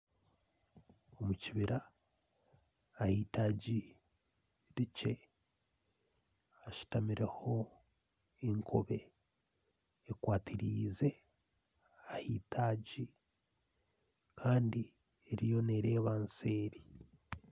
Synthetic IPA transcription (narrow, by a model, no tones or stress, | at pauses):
omuciβiɾa | hiːtaɟi | ɾit͡ʃe̞ | aʃu̥tamiɾʔe̞ho̞ | eŋkʰo̞̰βe̞ | kwaːtʰiɾiːze̞ | ahiːtʰaɟi | kʰaːndi | eɾijo̞ne̞ɾe̞ːβanse̞ːɾi